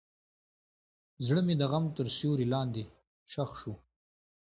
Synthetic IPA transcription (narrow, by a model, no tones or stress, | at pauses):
zɽəmed̪əɣamt̪əɾsjoːɾilɑːnd̪e | ʃaxʃu